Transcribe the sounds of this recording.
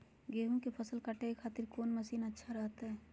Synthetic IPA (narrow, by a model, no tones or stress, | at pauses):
ɡeːɦũkepʰəsəlkaʈeekʰaːt̪ɪɾkoːnməsiːnətːʃʰaɾɐɦt̪aɦɛː